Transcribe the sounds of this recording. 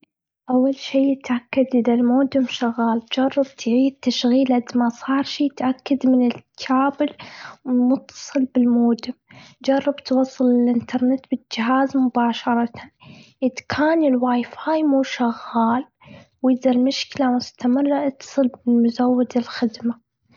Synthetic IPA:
ʔawːalʃiːjɪt̪ʕakːad̪ʔɪðalmoːd̪ɪmʃaɣːaːld͡ʒɑrˤːɑb̚t̪ʰʕiːd̪̚t̪ːaʃɣiːlɪd̪masˤɑːɾˤʃit̪ʕakːad̪mɪnɪlkʰːaːbɪlmʊt̪ːɑ̥sˤɨlbɪlmoːd̪ɪmd͡ʒɑrˤːɑbt̪wɑːsˤːɨlɪlʔɪnt̪ʰɑɾˤnɪt̪bɪd͡ʒɪɦaːzmʊbaːʃɑɾˤɑt̪ʰanʔɪd̪kʰaːnɪlwaːjfaːjmuːʃaɣːaːl | wɪd̪ɑɾmʊʃkɪlamʊst̪amɪrˤːɑʔɪt̪ːɑ̥sˤɨlbɪlmʊzawːad̪ɪlxɪd̪ma

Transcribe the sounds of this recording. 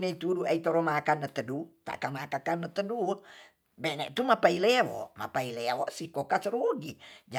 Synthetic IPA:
neit̪uduʔait̪oɾomakanːət̪ədut̪a̰ʔkamakakanːət̪ədu | bɛnɛ̰ʔt̪umapailɛwɔ̰ʔma̰pailɛwɔʔsikokasəɾuɡid͡ʒa

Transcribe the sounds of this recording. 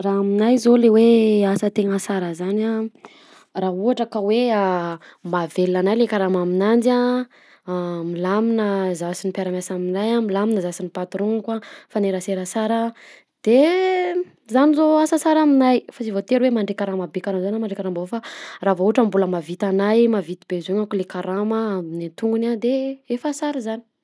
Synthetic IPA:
raaminajzoleweasət̪eŋəsaɾəzana | raɦuaʈ͡ʂakəweamavelːanajlekaɾamaminand͡ʒa | milaminəzasinipjaɾamʲasaminajamilaminəzasinipat̪ɾoŋkwafaneɾəseɾəsaɾə | d̪̥e | zanizoasasaɾaminajfasivot̪eɾwemaɳɖ͡ʐekʲaɾamabekaɾamzanamaɳɖ͡ʐekaɾambvofaravouaʈ͡ʂambuləmavit̪anajmavit̪ibezeɲakulekaɾaməːminit̪uŋɡunad̪eefasaɾizani̥

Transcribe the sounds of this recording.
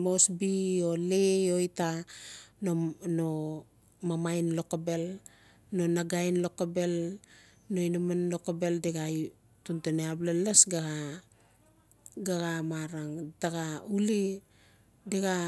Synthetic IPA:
mo̞sbio̞leo̞jtanono | mamajnlo̞kabe̞l | no̞naɡajnlo̞kabe̞l | no̞jnumanlo̞kabe̞ldeɡaj | tunteneablelesɡaɡa | ɡaɡamaɾaŋdaɡauli | deɡa

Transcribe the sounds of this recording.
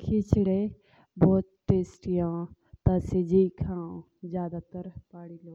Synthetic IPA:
kʰit͡ʃɽe | bɔːt̪ːeːsʈijãː | t̪ased͡ʒikʰãː | zjaːd̪aːt̪əɾpaːɽiːloː

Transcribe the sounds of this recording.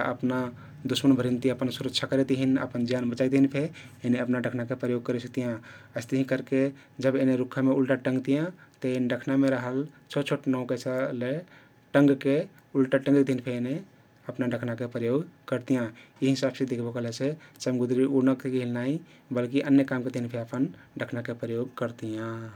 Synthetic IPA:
ʔəpna | d̪usmənbʱəɾint̪iəpənsuɾəkt͡ʃʰakəɾet̪ɦinə̰pənd͡ʒjanbət͡ʃajt̪ɦinpʰeeneəpnaɖəkʰnakepɾəjoɡ̚kəɾesək̚t̪ijãəɪst̪əɦĩkəɾke | d͡ʒəbeneɾukʰːameulʈaʈə̃ŋɡt̪ijãt̪əenɖəkʰnameɾəɦəlt͡ʃʰɔt͡ʃʰoʈnəũket͡ʃʰəle | ʈə̃ŋɡke | ulʈaʈə̃ŋɡid̪ʱinpʰeene | əpnaɖəkʰnakepɾəjoɡkəɾt̪ijã | iɦisabsed̪ikʰbəkɦəlɛsʰet͡ʃəmɡud̪ɾiʔunəkkeɦilnaĩ | bəlkiʔənjəkamket̪einpʰeəpən | ɖəkʰnakepɾəjoɡkəɾt̪ijã

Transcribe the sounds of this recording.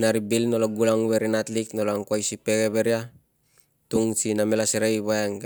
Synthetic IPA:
naɾibilnolaɡulaŋweɾinat̪liknolaŋkwajsipeɡeβeɾia | t̪uŋsinamelaseɾajβaaŋ

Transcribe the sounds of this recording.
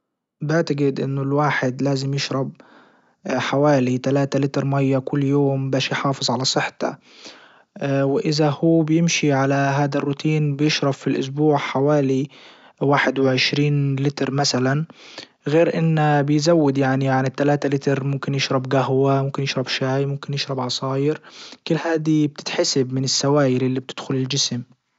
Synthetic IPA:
bɪʕt̪aɡɪd̪ʔɪnːʊlwaːħɪd̪laːzɪmjɪʃɾˤɑb̚ | ħawaːlit̪alaːt̪alɪt̪ɾˤmajːakʊlːjoːmbaːʃjħɑːfɨzˤʕalasˤɨħt̪ɑ̰ | wɪʔɪzahuːbɪjɪmʃiʕalaɦaːd̪arːʊt̪ʰiːnbɪjɪʃɾˤɑbfilʔʊ̰s̬buːʕħawaːli | waːħɪd̪wɪʕɪʃɾiːnlɪt̪ɾˤmasalan | ɣeːɾʔɪnːabɪjzawːɪd̪jaʕniaʕnit̪ːalaːt̪alɪt̪ɾmʊmkɪnjɪʃɾˤɑbɡaɦwamʊmkɪnjɪʃɾˤɑbʃaːjmʊmkɪnjɪʃɾˤɑbʕɑsˤɑːjɪɾkʊlːhaːd̪ib̚t̪ɪ̥t̪ħasɪbmɪnɪsːawaːjɪɾʔɪlːib̚t̪ɪd̪̥xʊlɪld͡ʒɪsm

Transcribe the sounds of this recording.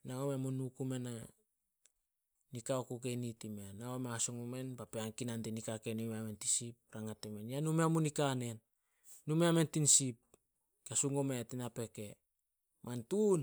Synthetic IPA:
naomemonukume̞na | nikaokokenitimenaomeasoŋome̞npapeaŋkinantenikakenumeamentisip̚ɾaŋatemenjanumeamunikane̞nː | umeame̞ntinsip̚ | kasuŋometinape̞ke̞ | mantun

